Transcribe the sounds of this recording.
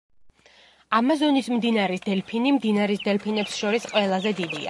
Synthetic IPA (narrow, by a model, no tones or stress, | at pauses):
amazɔnismd̪inaɾɛsd̪̥ɛlpʰinimd̪inaɾisd̪ɛlpʰinɛpsʃɔɾisqʼwɛlˠazɛd̪id̪ia̰